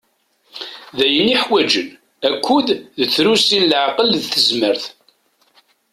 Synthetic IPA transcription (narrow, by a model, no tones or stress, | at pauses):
ðæjənːiħwæd͡ʒən | ækʰʷːuððət͡sːɾusinlʕqəlðθəzməɾθ